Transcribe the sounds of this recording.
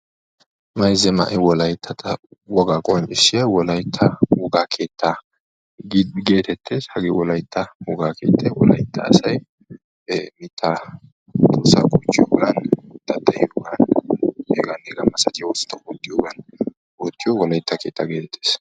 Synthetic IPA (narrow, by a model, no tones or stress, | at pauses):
mɐjzɛmɐ̰ʔɛwɔlɐjt̪ʰːɐt̪ʰɐwɔɡaːkʼɔnʔɪʃːɪjɐwɔlɐjt̪ʰːɐwɔɡaːkʰe̞ːt̪ʰːɐ | ɡɡe̞ːt̪ɛt̪ʰːe̞ːshɐɡewɔlɐjt̪ːɐwɔɡaːkʰe̞̰ːt̪ʰːɐwɔlɐ̰jt̪ːɐ̰ːsɐj | mɪt̪ʰːɐ | t̪osa̰ːkʼɔt͡ʃːɪjoɡɐnt̪ːɐt̪ːɐjjoɡɐn | eɡɐneɡɐmɐsɐd͡ʒʼɪwɔst̪ːɐwɔt̪ʼːɪjoːɡɐn | wɔt̪ːɪjɔwɔlɐjt̪ːɐke̞ːt̪ːɐɡe̞ːt̪ɛt̪ʰːeːs